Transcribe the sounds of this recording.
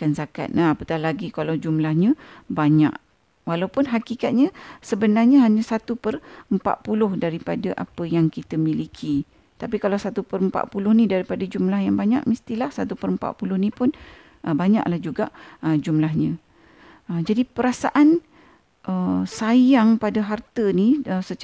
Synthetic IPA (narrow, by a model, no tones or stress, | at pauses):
kansaka̰t̪̚naapət̪ahlaɡikalawd͡ʒumlahɲəbaɲa̰ʔ | walawpʊnɦakikat̪̚ɲəsəbənarɲəɦaɲəsat̪upərəmpa̰ʔ̪̚pulʊhdaɾipadəʔa̰pəjaŋkit̪əmilikʰi | t̪apikalawsat̪upəɾəmpa̰ʔ̪̚pulʊhnidaɾipadəd͡ʒumlahjaŋbaɲa̰ʔmist̪ilahsat̪upəɾəmpa̰ʔ̪̚pulʊhnipʊn | ʔəbaɲa̰ʔlahd͡ʒuɡaʔəd͡ʒumlahɲə̃ | əd͡ʒadipəɾasa̰ʔan | ʔəsajaŋpadəɦart̪əniəsə